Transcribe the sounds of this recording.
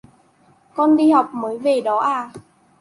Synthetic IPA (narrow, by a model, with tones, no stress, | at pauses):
kɔ˧nɗi˧ha˨˩wk͡p̚məː˨˦jve˨˩ɗɔ˨˦ʔaː˧˩